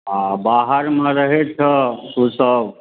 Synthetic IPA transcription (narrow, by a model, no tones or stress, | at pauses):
abaɦəɾmẽɾəɦet͡ʃʰɛusəb